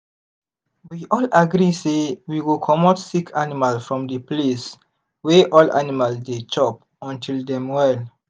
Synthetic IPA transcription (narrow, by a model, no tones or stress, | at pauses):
wiʔɔlaɡɾisewiwukʰɔmɔtsikʰanimalsfɹɔ̃mdəples | wɛʔɔlʔa̰nimalsdet͡ʃɔp | ɔ̃ntʰildɛ̃mwɛl